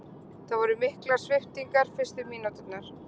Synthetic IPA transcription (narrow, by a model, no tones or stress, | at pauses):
θaðvɔɾʏmɪhklaɾ̥svɪht̪iŋkaɾ̥fɪ̥st̪ɪmiːnut̪ɪt̪naɾ̥